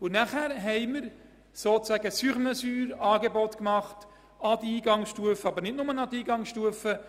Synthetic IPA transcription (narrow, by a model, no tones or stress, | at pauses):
ʊnæχæːɾɦɛɪməɾ | soːt͡sæɡəsyχməsyːɾɑːɡebɔtkmɑχt | ɑd̪əiːɡɑŋsʃtuəfəɑbəɾnɪtnʊmənɑdiːɡɑŋsʃtuəfə